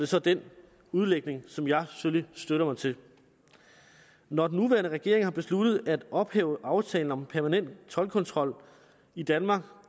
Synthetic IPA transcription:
d̥e̝sɒ̽d̥en | uð̞ˠleɡ̥ne̝ŋsɒ̽mjɑ̈ɪfølisd̥øɾɐmɑ̈ɪt͡sʰe̝ | nɒd̥n̩ːuʋæːɐnəʁaɡ̥e̝ɐ̰e̝ŋhɑ̈b̥e̝slud̥ð̩ˠæd̥ɒ̽b̥hɛːʊəʔɑ̈ʊt͡sʰɛ̰ːln̩ɒ̽mpʰæɐmænen̰d̥t͡sʰɒ̽lkʰɒ̽nt͡sʰʁɒ̽l̰ | id̥ænmɑ̈ːɡ̥

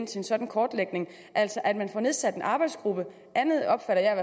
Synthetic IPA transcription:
nt͡sʰe̝ensɒ̽d̥n̩kʰɒːd̥leɡ̥ne̝ŋ | ʔæl̰sɒʔæd̥mænfɒne̝ð̞ˠsæd̥e̝nʔɑ̈ːb̥ɑ̈ɪ̥sɡ̥ʁub̥ə | ʔænð̞ˠɒ̽b̥fæɾ̥ɐjɑɪʋæ

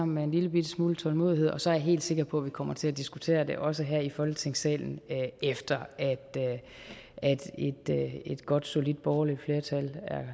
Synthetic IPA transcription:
ɑm̰n̩mee̝nliləb̥id̥əsmuːlət͡sʰɒ̽lmo̝ːðˠie̝ð̰ˠɒ̽sɒæɐjaɦe̝̰ːld̥se̝ɡ̥ɐpʰɒ̽ʋikʰɒ̽m̰ɐt͡sʰe̝læd̥isɡ̥ut͡sʰe̝̰ːɐd̥e̝ʔɒ̽s̬əɦæɐ̰ifɒ̽lɡ̥ət͡sʰe̝ŋsɛ̰ːln̩øefd̥ɐʔæd̥ø | æd̥ed̥øe̝d̥ɡ̥ɒ̽d̥so̝lid̥̚b̥ɒːlifle̝ːɐt͡sʰælæɐ

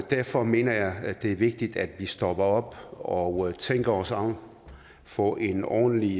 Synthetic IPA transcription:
d̥æɐfɒ̽me̝̰ːnɐjɑ̈ɪd̥e̝æɐʋe̝ɡ̥̚d̥id̥æd̥ʋisd̥ɒ̽b̥ɐɒ̽b̥ɒt͡sʰeŋ̰ɡ̥ɐɒsɑʊ̰n | fɒʔe̝nɒ̰ːn̩li

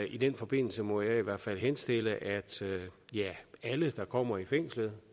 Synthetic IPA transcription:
ʔid̥en̰fɒ̽b̥e̝n̰l̩səmɒ̽jɑ̈ɪiʋæɐ̰̥fæl̰ɦhensd̥e̝l̰əʔæd̥jææləd̥ɑ̈kʰɒ̽m̰ɐifeŋ̰slð̩ˠ

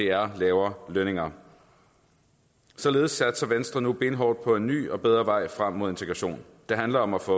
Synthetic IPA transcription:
de̝æɐlɛːʊɐløne̝ŋɐ | sɒ̽le̝ːð̞̩ˠsæd̥sɐʋensd̥ʁɐnub̥e̝nəɦɒʊd̥̚pʰɒ̽e̝nːy̰ːɒ̽b̥eð̞ˠʁɐʋɑ̈ɪ̰fʁam̰ːo̝ð̞̰ˠe̝nt͡sʰeɡ̥ʁɑɕo̝̰ːn | d̥e̝ɦænlɐɒ̽mæfɔ̽

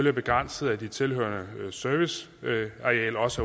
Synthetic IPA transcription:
liɐb̥e̝ɡ̥ʁan̰səð̩ˠæd̥it͡sʰe̝lɦø̰ɐnəsøɐʋis | ɑɛ̰ːlɒ̽sæ

